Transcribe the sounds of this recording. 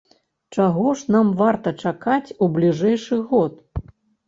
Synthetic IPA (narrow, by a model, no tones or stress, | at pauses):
t͡ʂaɣɔʂnamvart̪ɐt͡ʂakat͡sʲublʲiʐɛjʂɨɣɔt̪